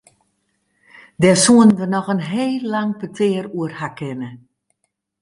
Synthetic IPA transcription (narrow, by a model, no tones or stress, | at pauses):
dɛsuəndənɔxənɦeːlːaŋpətʰɪːəruərhakɪnə